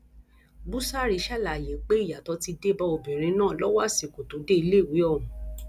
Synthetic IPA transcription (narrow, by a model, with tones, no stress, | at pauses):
bu˦sa˦ɾi˧˦ʃa˦˨la˨je˨˦k͡pe˦i˦˨ja˨tɔ˧ti˧de˦bɔ˧o˧˨bĩ˨ɾ̃ĩ˧˦nãː˦˨lɔ˦wa˦˨si˨ko˨to˨˦de˦i˧le˦˨wi˨˦ɔ˦˨ɾũ˨